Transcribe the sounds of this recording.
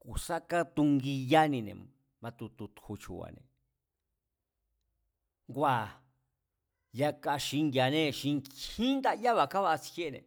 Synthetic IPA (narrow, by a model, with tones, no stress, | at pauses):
ku˨sa˦ka˦t̪u˧ŋɡi˧ja˦nĩ˧nḛ̃˨ | mã˧t̪u˧t̪u˧t̪hu˧t͡ʃṵ˨wa̰˨nḛ̃˨ | ŋɡʷa˧˨ | ja˧ka˧ʃi˧ŋɡja˨nẽ˦ʃi˧ŋĩ˦nd̪a˦˧ja˦βa˧˨ka˦βa˧t͡si̥˧he˦˧nḛ̃˨